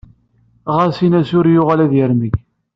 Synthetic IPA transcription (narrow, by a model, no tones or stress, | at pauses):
ʁasinæsʊɾjʊʁalæðjəɾməç